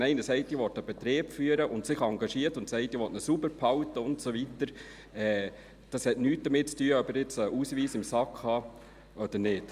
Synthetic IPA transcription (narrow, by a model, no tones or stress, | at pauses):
nɛɪnəsɛɪtiːʋɔt̪əb̥ɛt̪ɾeːbfyːəɾəʔʊntsɪχɑŋɡɑʃiːəɾtʊntsɛɪtiʋɔtnəsubəɾpʰhɑwtəʊntsoʋitəɾ | ɛː | d̥ɑshɛtnyːt̚d̥əmɪt̚t͡styːəœbəɾɪt͡səʔuːsʋiːsɪmsɑkhɑː | ʔɔd̥̪əɾnɪt